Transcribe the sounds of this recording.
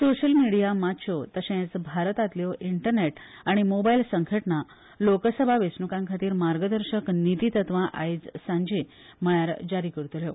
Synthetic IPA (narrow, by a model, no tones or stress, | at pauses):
soɕəlmiɽijamatɕʰot̪əɕɛ̃t͡sbʱaɾət̪at̪ljɔʔiɳʈəɾneʈ | aɽ̃imobailsəŋkʰəʈɳa | lokəsəbʱaʋesnukãŋkʰat̪iːɾmaɾɡəd̪əɾɕəknit̪it̪ət̪ʋãʔa̰id͡zsãɲd͡ʑe | məjaɾd͡ʑaɾiːkəɾt̪uljo